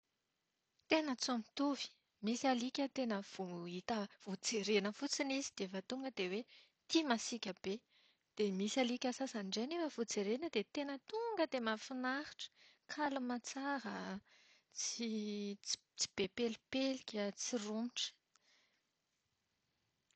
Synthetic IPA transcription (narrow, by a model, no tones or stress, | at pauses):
t̪enət͡samit̪uvi̥ | misialikʲət̪enəv̥oit̪əv̥ud͡zeɾenəfut͡sinizid̪̥efət̪uŋɡəd̪ewe | t̪imasikʲəb̥e | d̪̥emisalikʲəsasaniɳɖ͡ʐenefəvud͡zeɾenəd̪et̪enət̪uŋɡəd̪emafinaɾiʈ͡ʂə̥kʰalumat͡saɾə | t͡si̥ | t͡si̥b̥epelipelikʲət͡sirumiʈ͡ʂə̥